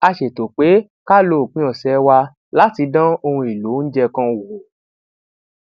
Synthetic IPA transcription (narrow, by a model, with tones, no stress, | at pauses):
a˧ʃe˨to˨k͡pe˨˦ | ka˦lo˦˨k͡pĩ˦ɔ˨sɛ˨˦wa˧ | la˦ti˧dã˦o˧hũ˧i˨lo˨˦n̩˦d͡ʒɛ˧kã˦˧˨wo˨